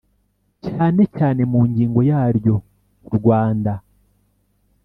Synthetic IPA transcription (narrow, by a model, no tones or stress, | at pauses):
caːne̞caːne̞muːɲɟiːŋɡo̞jaːɾjo̞ | uɾɡwaːnda